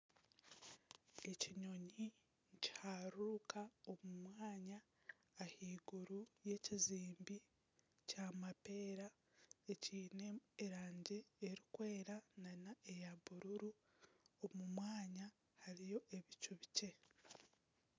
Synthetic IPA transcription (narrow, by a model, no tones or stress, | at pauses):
e̞ciɲo̞ɲi | ɲci̥haɾukao̞mumwaːɲaː | hiːɡuɾuje̞ːciziːmbi | camape̞ːɾa | eciːneːɾaːɲɟeːɾikwe̞ːɾananae̞jaβuɾuɾu | omumwaːɲa | haɾijo̞ʔe̞βicuβice̞